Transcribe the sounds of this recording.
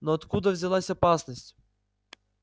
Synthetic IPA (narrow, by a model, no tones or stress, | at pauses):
nɔːt̪kud̪əvzʲɛlˠasʲɐpasnəsʲtʲ